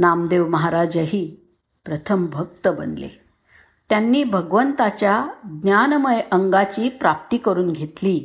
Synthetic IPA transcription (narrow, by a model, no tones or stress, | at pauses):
namd̪eʋməɦaɾad͡ʑəɦiː | pɾət̪ʰəmbʱək̚t̪əbə̰nlḛ | t̪janːiːbʱəɡʋənt̪at͡ɕjaɡnjanməjʔəŋɡat͡ɕiːpɾap̚t̪iːkəɾuːnɡʱet̪liː